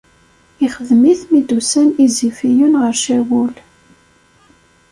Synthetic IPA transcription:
iχəðmiθmid̪usænizifijunʁəɾʃæwul

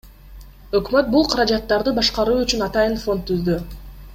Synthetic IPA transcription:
ø̞kmøt̪̚bulˠqʰɑɾɑd͡ʒɑt̪ːɑɾd̪ɯbɑʃqɑɾuːyt͡ʃynɑt̪ɑjɯnfo̞nt̪ːyzd̪y

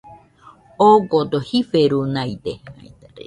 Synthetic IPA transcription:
oɡot̪ohifeɾunajt̪eh

